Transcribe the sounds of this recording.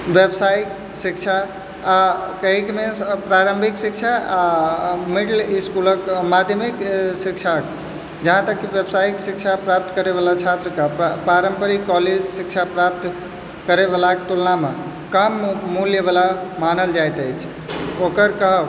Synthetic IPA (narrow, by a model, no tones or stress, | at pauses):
ʋjəbsajk | sikt͡ʃʰaː | kəɦikmepɾaɾəmbʱiksik̚t͡ʃʰaamiɖliskuləkmad̪ʱjəmiksik̚t͡ʃʰak | d͡ʒəɦãt̪əkːibjəbsaiksikt͡ʃʰapɾap̚t̪kəɾebalat͡ʃʰat̪ɾəkapaɾəmpəɾikɔled͡ʒsik̚t͡ʃʰapɾap̚t̪ | kəɾebelakt̪ulname | kəmːuljebalamanəld͡ʒajt̪əjt͡ʃʰ | okəɾkəɦə